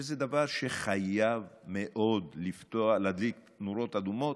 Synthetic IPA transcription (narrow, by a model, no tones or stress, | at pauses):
ezed̪avaʁʃe̞χajavmeʔo̞d̪lift̪oalad̪lik | nuɾo̞t̪ad̪umo̞t̪